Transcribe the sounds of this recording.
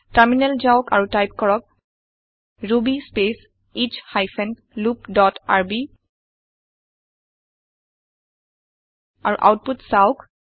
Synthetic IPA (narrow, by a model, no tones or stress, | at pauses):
taɹminɛlzaʊka̰ɹutajp̚kɔɹɔk̚ | ɹubispes | it͡ʃhajfʰɛn | lupdɔta̰ɹbi | aɹṵʔa̰wt̚putsaʊk